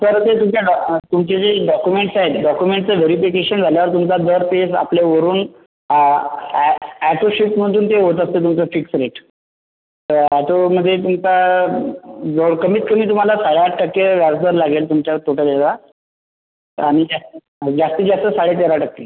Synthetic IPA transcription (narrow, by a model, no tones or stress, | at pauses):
səɾt̪et̪umt͡ɕaɖt̪umt͡ɕed͡zeɖɔkumeɳʈsaɦet̪ɖɔkjumeɳʈt͡səʋeɾifikeɕənd͡zʱaljaʋəɾt̪̬umt͡sad̪əɾpesa̰pleʋəɾuːn | æʈoɕipm̤əɳt̪uːnt̪eɦot̪̬əst̪et̪umt͡səfiksɾeʈ | t̪əɾæʈoməd̪ʱːjet̪umt͡sa | d͡zoɽkəmiːt͡s̪kəm̤iːt̪̬um̤alasaɭjaʈəkːeʋjaɾd̪əɾlaɡelt̪umt͡ɕjaəɾt̪ʰoʈʰəd̪ela | aɽ̃id͡ʑasə | d͡zast̪əd͡ʑast̪əsaɽet̪̬eɾaʈəkːe